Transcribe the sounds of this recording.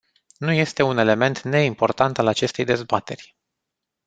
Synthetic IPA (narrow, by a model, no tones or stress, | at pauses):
nuje̞st̪e̞une̞le̞me̞nt̪ne̞impo̞rt̪ant̪alat͡ʃe̞st̪e̞jd̪e̞zbat̪e̞̰rʲ